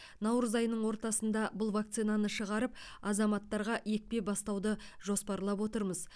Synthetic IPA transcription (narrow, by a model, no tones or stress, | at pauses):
nɑwɾəzɑjnəɴwo̞ɾt̪ɑsənd̪ɑbʊlˠvakt̪sijnanəʃəʁɑɾəpɑzɑmɑt̪ːɑɾʁɑʔek̚pe̞bɑst̪ɑwd̪əʒo̞spɑɾlˠɑpwo̞t̪əɾməz